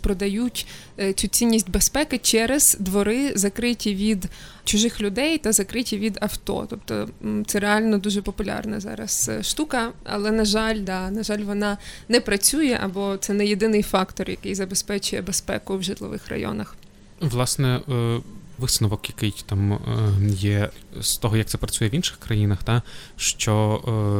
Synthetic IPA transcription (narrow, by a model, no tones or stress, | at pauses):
pɾɔd̪ɐjutʲ | t͡sʲut͡sʲinʲːisʲtʲbespɛkɪt͡ʃɛɾɐz̥d̪ʋɔɾɪzɐkɾɪtʲiʋʲid̪ | t͡ʃʊʒɪxlʲʊd̪ɛjt̪ɐzɐkɾɪtʲiʋʲid̪ɐwt̪ɔ̰t̪ɔpt̪ɔ̰t̪sɛɾeɑlʲnɔd̪uʒɛpɔpʊlʲɑ̰rnɛzɑ̰ɾɐ̰sʃt̪ukɐɐ̰lˠɛnɐʒɑlʲd̪ɑnɐʒɑlʲʋɔnɑnɛpɾɐt͡sʲujɛʔɐ̰bɔt̪sɛnɛjed̪ɪnɪjfɑkt̪ɔrjɐkɪjzɐbespɛt͡ʃʊjɛbespɛ̰kʊwʒɪt̪lˠɔ̰ʋɪ̰xrɐ̰jɔ̰nɐx | ʋlˠɑsnɛ | ʋɨsnɔʋɔkjɐkɪjt̪ɑm | jɛst̪ɔɦɔjɐk̚t̪sɛpɾɐt͡sʲujɛʋʲinʃɪ̥xkɾɐjinɐxt̪ɑʃt͡ʃɔ